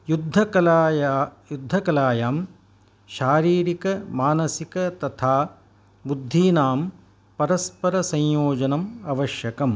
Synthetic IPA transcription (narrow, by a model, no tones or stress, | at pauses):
jud̪ʱːɐɐːjjud̪ʱːɐkɐlaːjaːm | ʃaːɾiːɾikɐmaːnɐsikɐt̪ɐt̪ʰaː | bud̪ʱːiːnaːm | pɐɾɐspɐɾɐsɐ̃jjoːd͡ʒɐnɐmɐʋɐʃjɐkɐm